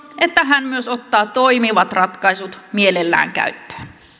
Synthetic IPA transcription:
et̪ːæɦænmyøsot̪ːɑːt̪oimiʋɑt̪rɑt̪kɑisut̪mielelːæ̰ːŋkæ̰yt̪ːø̥ː

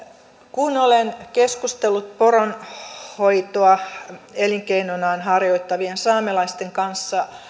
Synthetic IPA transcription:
kunolenkeskust̪elːut̪̚poronhoit̪oɑeliŋkeinonɑːnhɑrjoit̪ːɑʋiensɑːmelɑist̪eŋkɑnsːɑ

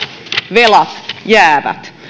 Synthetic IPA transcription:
ʋelɑt̪jæːʋæ̰t̪

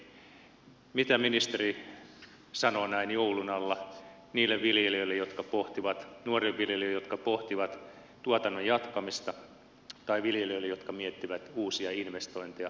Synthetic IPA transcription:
mit̪æminist̪eri | sɑnoːnæinjoulunɑlːɑ | niːlːeʋʋiljelioilːejot̪kɑpoht̪iʋɑt̪nuoriʋʋiljelːiːjot̪kɑpoht̪iʋɑt̪ | t̪uot̪ɑnːojjɑt̪kɑmist̪ɑ | t̪ɑiʋiljelioilːejot̪kɑmiet̪ːiʋæt̪uːsiɑinʋest̪oint̪iɑ

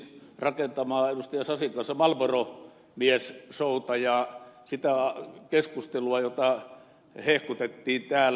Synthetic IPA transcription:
rɑkent̪ɑmɑːenust̪ɑjɑsɑsiŋkɑnsːɑmɑlʋoro | miæssoˑut̪ɑjɑsit̪ækeskust̪eluɑjot̪ɑ | hehkut̪et̪ːiːnt̪æːl

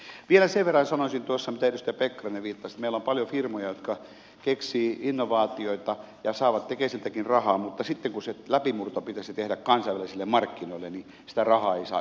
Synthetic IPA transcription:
ʋielæseʋʋerːɑnsɑnosint̪uosːɑmit̪æet̪yst̪æpekːɑrɑneʋiːt̪ːɑsit̪meilːompɑljofirmojɑjot̪kɑ | keksiːinːoʋɑːt̪ioit̪ɑ | jɑsɑːʋɑt̪t̪ekeːˑsent̪ækinrɑhɑːmut̪ːɑsit̪ːeŋkuselæpimurt̪opit̪æsit̪ehɾækkɑnsɑiʋælisilːemmɑrkːinoilːeni | sĭ̥t̪ærɑhɑːeisɑ̰ː

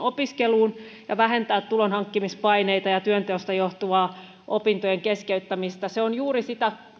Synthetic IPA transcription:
opiskeluːnjɑʋæhent̪æːt̪t̪ulonhɑŋkːimispɑineit̪ɑjɑt̪yønt̪eost̪ɑjoht̪uʋɑː | ʔo̰pint̪ojeŋkeskeyt̪ːæmist̪æseonjuːrisit̪æ

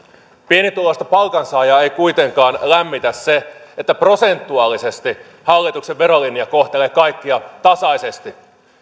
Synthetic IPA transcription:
pie̞nit̪ulost̪ɑpɑlkɑnsɑːjɑe̞jkujt̪e̞ŋkɑːnlæmːit̪æsse̞et̪ːæpro̞se̞nt̪ːuɑlːise̞st̪i | hɑlːit̪ukseʋːe̞ɾo̞liniɑko̞ht̪e̞leːkɑjkːiɑt̪ɑsɑjse̞st̪i

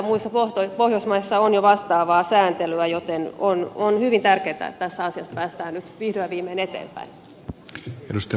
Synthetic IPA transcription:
muisɑpoht̪oipohjosmɑisːɑonjoʋɑst̪ɑːʋɑːsæːnt̪elyæjot̪enononhyʋint̪ærkeːt̪æ̰ḛt̪ːt̪æsːæɑsiɑspæːst̪æːnnyt̪ʋihɾyæʋiːmeːnet̪ḛːmpæ̰in | edust̪ɑ

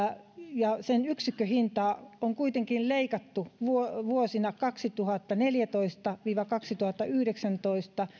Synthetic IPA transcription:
jɑsenyksikːøhint̪ɑːoŋkuit̪eŋkilleikɑt̪ːuʋuoʋuosinɑkɑksit̪uhɑt̪ːɑneljæt̪oist̪ɑʋiːʋɑkɑksit̪uhɑt̪ːɑyhɾeksænt̪oist̪ɑ

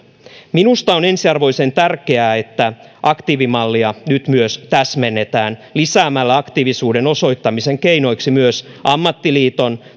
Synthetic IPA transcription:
minust̪ɑone̞nsiɑrʋo̞jse̞nt̪ærkeæːe̞t̪ːæʔɑkt̪iʋimɑlːiɑnyt̪myøst̪æsmenːet̪æːnlisæːmælːæɑkt̪iːʋisuːde̞no̞so̞jt̪ːɑmiseŋkeino̞jksimyøsʔɑmːɑt̪ːiliːt̪o̞n

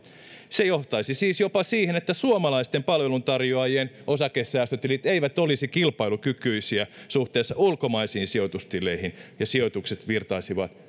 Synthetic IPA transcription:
sejoht̪ɑisisiːsjopɑsiːhenet̪ːæsuomɑlɑist̪empɑlʋelunt̪ɑrjoɑjienʔosɑkesːæːst̪øt̪ilit̪eiʋæt̪olisikilpɑilukykyisiæsuht̪eːsːɑulkomɑisiːnsiot̪ust̪ileihinjɑsiot̪ukset̪ʋirt̪ɑisiʋɑt̪

